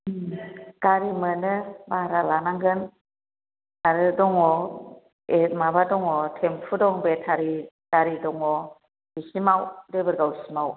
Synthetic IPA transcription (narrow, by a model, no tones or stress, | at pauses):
ɡ̥aɾimɯnɯbaɾalanaŋɡɯn | aɾɯdɔŋɔ | emabadɔŋɔtʰempʰɯdɔŋbetʰaɾi | d̥aɾidɔŋɔ | isimawdebɯɾɡawsimaw